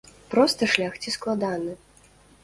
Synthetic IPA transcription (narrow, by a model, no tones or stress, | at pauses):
pɾɔst̪ɐʂlʲaxt͡sʲisklˠad̪anɨ